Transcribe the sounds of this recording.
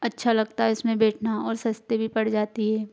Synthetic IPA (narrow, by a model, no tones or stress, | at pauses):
ɐtːʃʰalɐɡ̚t̪aɦɛʊsmẽbɛːʈʰnaɔːɾsɐst̪ebʱipɐɽd͡ʒaːt̪iɦɛː